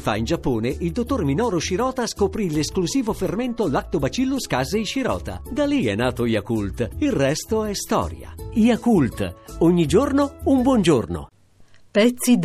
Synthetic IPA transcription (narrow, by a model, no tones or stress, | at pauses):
fa̰ind͡ʒapːoːneʔild̪ot̪ːorminɔːɾoʃiɾɔːt̪askopɾileskluziːvoferment̪olak̚t̪obat͡ʃilːuskazeiʃiɾɔ̰ːt̪a̰d̪aliɛ̰nːaːt̪ojakult̪ilrɛst̪oɛst̪ɔ̰ːɾja̰iakult̪oɲːid͡ʒornoumbwɔnd͡ʒorno̰ | pɛt̪sːid̪